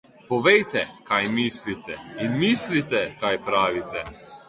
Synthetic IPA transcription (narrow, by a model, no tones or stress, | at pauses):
pɔʋɛjt̪ɛkajmislit̪ɛinmislit̪ɛkajpɾaːʋit̪ɛ